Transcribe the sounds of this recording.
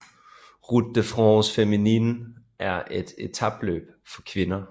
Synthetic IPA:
ʁud̥̚ːəfʁɔsfeminin | ʔæɐʔe̝d̥e̝t͡sʰɑb̥lø̰ːb̥ | fɒ̽kʰʋe̝nɐ

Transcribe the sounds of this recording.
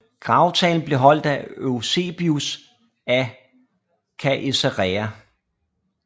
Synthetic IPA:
ɡ̥ʁɑ̈ʊt͡sʰɛ̰ːln̩b̥le̝ɦɒ̽l̰d̥æøse̝̰ːb̥ius | æ | kʰæʔeseʁɛæ

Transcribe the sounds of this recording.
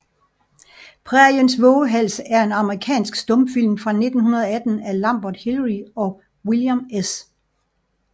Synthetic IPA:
pʰʁɛɐjensʋɔːəɦæl̰səæɐe̝nɑ̈məʁikʰɛ̰ːnsɡ̥sd̥ɔ̽mfil̰mfʁɑ̈ne̝d̥n̩hunɐð̞ˠɒæd̥n̩ælɑmb̥ɐd̥hilʁiɒ̽ | wiljames

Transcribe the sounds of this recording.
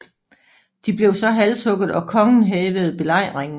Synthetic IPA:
d̥ib̥le̝ʊsɒ̽ɦælsɔ̽ɡ̥ð̩ˠɒ̽kʰɒ̽ŋn̩ɦɛːʋəð̞̩ˠb̥e̝lɑ̈ɪ̰ʁeŋn̩

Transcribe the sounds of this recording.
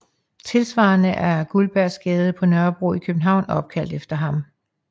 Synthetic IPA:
t͡sʰe̝lsʋɑ̰̈nəʔæɐɡ̥ulb̥æɐsɡ̥ɛːð̞ˠəpʰɒ̽nɶɐb̥ʁṵikʰøb̥n̩ɦɑ̈ʊ̰nɒ̽b̥̚kʰæl̰d̥efd̥ɐɦɑ̈m

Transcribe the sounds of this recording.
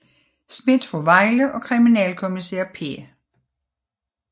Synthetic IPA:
sme̝d̥fɔʋɑ̈ɪləʔɒ̽kʰʁiminɛːlkʰomisḛːɐpʰḛ

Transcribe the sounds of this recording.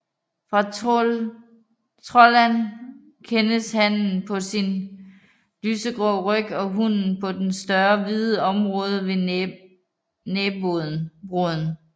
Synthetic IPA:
fʁɑ̈ | t͡sʰʁɔlæn | kʰenəshæn̰̩pʰɒ̽sin | lyːsəɡ̥ʁɔʁœɡ̥ɒ̽ɦun̰n̩pʰɒ̽d̥ensd̥ɶɐʋiðˠəɒ̽mʁɔ̽ːð̞ˠəʋe̝ | neːbob̥ʁoðˠn̩

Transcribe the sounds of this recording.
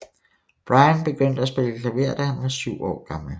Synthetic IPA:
b̥ʁɑ̈ɪənb̥e̝ɡ̥øn̰d̥əæsb̥e̝ləkʰlæʋe̝ɐ̰d̥æhænʋɑ̈syʊ̰ɒ̰ːɡ̥ɑ̈ml̩

